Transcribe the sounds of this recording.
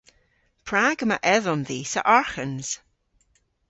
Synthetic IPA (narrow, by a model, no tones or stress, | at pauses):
pʰɹaːɡəmaʔɛðɔmðiːsə̰ʔɔɹxənz̥